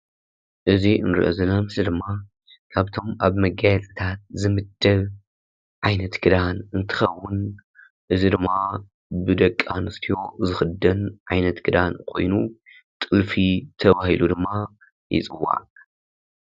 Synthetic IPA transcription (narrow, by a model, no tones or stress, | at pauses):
ʔɨziɨnɾɨ̰ʔozɐnamɨsɐd̪ɨmːa | kʰaβt̪ʰo̞mʔaβmɐɡajɛt͡sʼɨt̪ʰat̪̚zɨmɨd̪̥ːɐβ | ʕajnɐt̪ɡɨd̪anɨnt̪ʰɨ̥xɐwːʊn | ʔɨzid̪ɨmːa | bɨd̪ɐkʼːanɨst̪ʰijo̞zɨxɨd̪ːɐnʕajnɐt̪ɡɨd̪ankʰo̞̰jnu | t̪ʼɨlfit̪ʰɐβahilud̪ɨmːa | jɪ̰t͡sʼɨwa̰